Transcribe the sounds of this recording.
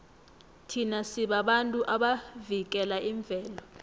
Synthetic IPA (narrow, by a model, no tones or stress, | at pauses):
tʰinasiɓaɓantʼuʔaɓavik̬ʼɛlaʔiɱb̪vʱɛːlɔ